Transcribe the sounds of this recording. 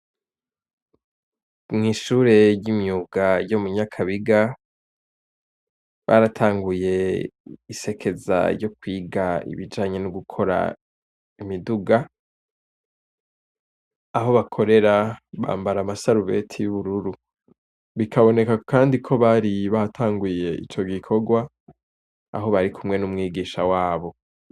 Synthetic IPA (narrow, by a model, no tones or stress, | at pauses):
mŋiːʃuːɾe̞jimɲuːɡajo̞muɲakʰaβiɡa | βa̰ɾatʰaːŋɡuje̞ | ise̞kʰe̞za̰ɾjo̞kwiːɡaḭβid͡ʒaːɲe̞nuɡukʰo̞ɾa̰ | imiduɡa | ɦo̞βakʰo̞ɾe̞ɾaβa̰ːmbaɾamasaɾuβe̞tʰijuβuɾuɾu | βikʰaβo̞ne̞kakaːndikʰo̞βaɾiβatʰaːŋɡuje̞ḭt͡ʃo̞ɡikʰo̞ɡwa | a̰ɦo̞βaɾikʰumŋe̞numŋiːɡiːʃawaːβo̞